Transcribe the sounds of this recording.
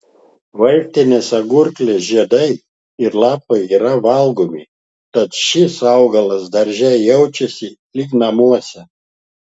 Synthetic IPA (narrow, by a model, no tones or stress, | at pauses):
ʋɐlʲt̪ʲɪnʲesɐɡʊɾʲklʲesʒʲiɛd̪ɐɪ | ɪɾlˠɑːpɐɪiːɾɐʋɐlˠɡomʲɪ | t̪ɐt̪ʃʲɪsɑʊɡɐlˠɐsd̪ɐɾʲʒʲɛjɛʊt͡ʃʲɛsʲɪlʲɪknɐmuɔsʲɛ